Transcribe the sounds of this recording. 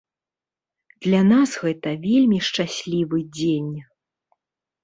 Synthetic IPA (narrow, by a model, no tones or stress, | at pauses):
d̪̥lʲanasɣɛt̪ɐvʲelʲmʲiʂt͡ʂasʲlʲivɨd͡zʲenʲ